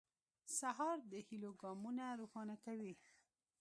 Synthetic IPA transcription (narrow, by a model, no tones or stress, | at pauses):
saɦɑɾd̪əhiloɡɑmunaɾoxɑnakawi